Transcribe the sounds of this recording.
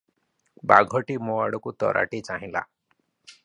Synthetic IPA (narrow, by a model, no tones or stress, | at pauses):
baɡʱɔʈimoaɽɔkut̪ɔ̰ɾʔa̰ʈit͡ʃaɦĩla̰